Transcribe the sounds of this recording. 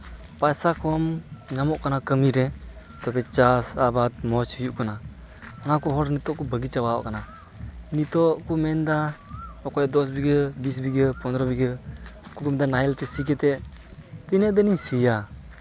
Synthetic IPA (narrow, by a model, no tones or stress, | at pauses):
pajsakʰɔmɲamɔʔkanakəmiɾɛ | t̪ɔbɛt͡ʃasabat̪̚mɔt͡ʃhijuʔkana | anakɔɦɔɾnit̪ɔʔkɔbəɡit͡ʃabaa̰ʔkana | nit̪ɔʔkɔmɛnd̪aɔkɔjd̪ɔs̬biɡəbis̬biɡəpɔnd̪ɔɾɔbiɡəkukɔmd̪anajɛlt̪ɛsik̬ɛt̪ɛ | t̪inɛʔd̪ənisija